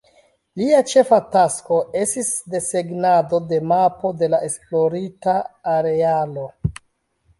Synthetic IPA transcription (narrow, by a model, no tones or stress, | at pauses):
liat͡ʃe̞fatasko̞e̞stisde̞se̞ɡnado̞de̞mapo̞de̞laʔe̞splo̞ɾitaːɾe̞alo̞